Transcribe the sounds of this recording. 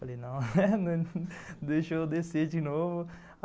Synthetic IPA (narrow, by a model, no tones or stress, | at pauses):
falejnɐ̃w̃ɛnɐ̃d̪eʃod̪esed͡ʒinovʊ | a